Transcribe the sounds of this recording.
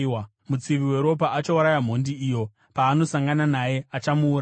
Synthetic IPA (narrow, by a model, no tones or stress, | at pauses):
a | mut͡siʋiwe̞ɾo̞paʔat͡ʃouɾajam̤o̞ndiːjo̞ | paːno̞saŋɡananaje̞at͡ʃamuːɾ